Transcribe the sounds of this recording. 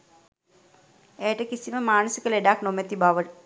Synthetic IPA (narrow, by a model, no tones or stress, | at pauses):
eːʈːɨkisimɐmaːnɐsikːɐleɖaːknomːet̪ːibaʋɐɭ